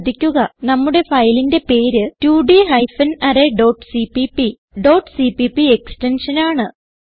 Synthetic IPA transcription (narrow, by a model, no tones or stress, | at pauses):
d̪ikʲːuɣɐnɐmːuɽe̞fɐjlinde̞pe̞ːɾɨtuːɖiɦɐjfɐnɐɾeɖoːʈsipipi | ɖo̞ːʈsipipːieksʈenʂɐnaːɳɨ